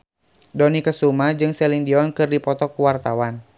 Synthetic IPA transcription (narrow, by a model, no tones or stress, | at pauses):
dɔnikəsumad͡ʒɨŋsɛliŋdiɔŋkɨrdipɔt̪ɔkuwart̪awan